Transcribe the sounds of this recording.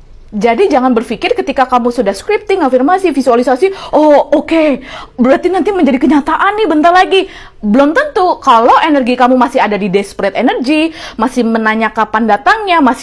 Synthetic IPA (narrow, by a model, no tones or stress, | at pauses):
d͡ʒadid͡ʒaŋanbərfikɪrkət̪ikakamusudahskɾip̚t̪ɪŋafirmasifisualisasiookebəɾat̪inant̪iməɲd͡ʒadikəɲat̪aʔanːɪhbənt̪arlaɡi | bəlʊmt̪ənt̪ukalowʔenərɡikamumasɪɦadadidɛspɾɛt̪enərɡimasɪhmənaɲakapandat̪aŋɲamas